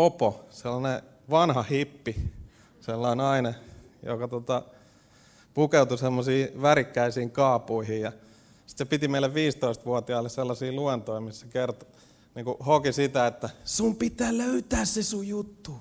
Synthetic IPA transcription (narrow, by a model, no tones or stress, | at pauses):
oposelːɑne | ʋɑnhɑhipːi | selːɑinɑinɑ | jo̰kɑt̪ot̪ɑ | pukeut̪usemːosiːʋærikːæisiːŋkɑːpuihijjɑ | si̥t̪sepit̪imeilːeʋʋiːst̪oist̪ʋuot̪iɑilːesselːɑsiːluent̪oimissækert̪o̥ | niːŋkuhokisit̪æet̪ːæsumpit̪ˑæːløyt̪æːssesujut̪ːu